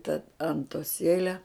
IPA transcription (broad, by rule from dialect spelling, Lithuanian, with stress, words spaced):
tɐ ɐntoːˈsʲeːlʲɛ